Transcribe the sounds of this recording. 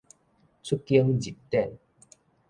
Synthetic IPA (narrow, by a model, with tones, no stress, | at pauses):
t͡sʰu˦˥kːi˦˧əŋd͡ʑi˨˩p̚t̪ɛ˥˨n